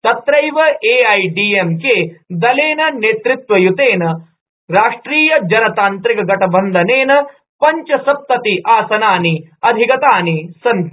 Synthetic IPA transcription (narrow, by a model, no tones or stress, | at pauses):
t̪ɐt̪ɾɐjʋɐʔeːɐjɖiːemkeːd̪ɐleːnɐneːt̪ɾut̪ʋɐjut̪eːnɐ | ɾaːʂʈɾiːjɐd͡ʒɐɾɐt̪aːnt̪ɾikɐɡɐʈʰɐbɐnd̪ʱɐneːnɐ | pɐɲt͡ʃɐsɐp̚t̪ɐt̪iʔaːsɐnaːni | ɐd̪ʱikɐt̪aːnisɐn